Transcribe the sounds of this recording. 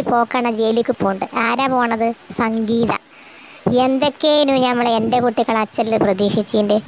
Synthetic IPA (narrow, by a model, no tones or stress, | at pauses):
ipo̞ːkːɐːɳːɐd͡ʑejlikʲːupoːɳɖɨʔaːɾaːpo̞ːɐɳɐðɨsɐŋɡiːðɐ̰ | end̪o̞kːeinuɲɐmːɐɭendekuʈːiɣɐɭɐt͡ɕːɐllɨprɐðiːʂit͡ɕːiinde